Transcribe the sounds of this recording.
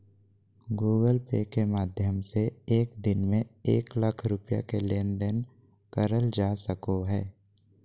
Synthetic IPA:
ɡuːɡəlpeːkemaːd̪ʱjəmseːkd̪ɪnmẽeːkləkʰɾʊpja̰keleːnd̪ən | kəɾəld͡ʒaːsəkoɦɛː

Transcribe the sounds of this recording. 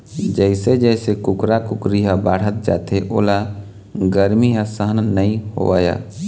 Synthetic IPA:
d͡ʒɛːɪsed͡ʒɛːsekʊkɾakʊkɾiɦabaːɽ̤ət̪̚d͡ʒa̰ːt̪eʔo̰ːla | ɡəɾmiɦasəɦənnəĩho̰ʋaːja̰ː

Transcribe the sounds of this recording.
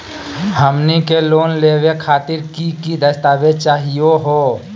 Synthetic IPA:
həmnikeloːnleːwekʰaːt̪ɪɾkikid̪əst̪aːbet͡ʃaːɦioɦoː

